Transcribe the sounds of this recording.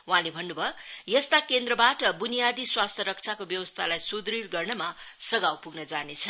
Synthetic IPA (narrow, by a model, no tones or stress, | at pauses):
wuɦãlebʱʌnːubʱʌjʌst̪akend̪rʌbaʈʌbunijad̪iswast̪ʰjʌɾʌk̚t͡sʰakobjʌwʌst̪ʰalajsud̪rirɡʌrnʌmasʌɡawpuɡnʌd͡zanet͡sʰʌ